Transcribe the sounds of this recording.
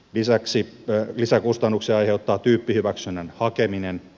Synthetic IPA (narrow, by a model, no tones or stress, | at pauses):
lisæksi | lisækust̪ɑnːuksiɑɑjheut̪ːɑːt̪yːpːihyʋæksynːenhɑkeminen